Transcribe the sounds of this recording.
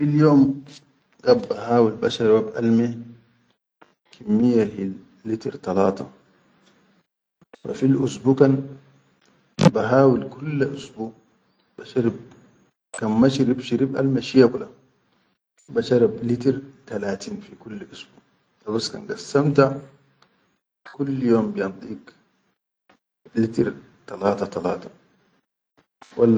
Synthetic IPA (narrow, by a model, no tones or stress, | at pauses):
filjoːm | ɡabːahaːwilbaʃɑɾˤabʔa̰lmi | kʰimːijːahiː | it̪iɾt̪ɑlɑːt̪ɑ | fa̰filʔusbuːkan | baɦaːwilkulːʔusbuː | b̥aʃaɾib̚ | kanmaʃiɾibʃiɾibʔa̰lmaʃijakula | baʃɑɾiblit̪iɾt̪alaːt̪iːnfikulːʔusbuːʔ | t̪ɑbaska̰nɡasːamt̪a | kulːjoːmbijɑnt̪ˤiːk | lit̪iɾ | t̪alaːt̪at̪alaːt̪ḁ | wʔalː